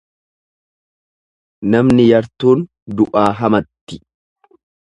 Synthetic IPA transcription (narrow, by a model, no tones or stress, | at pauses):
nɐmnɪjɐɾt̪uːn | d̪ʊʔaːɦɐmɐt̪ːɪ̥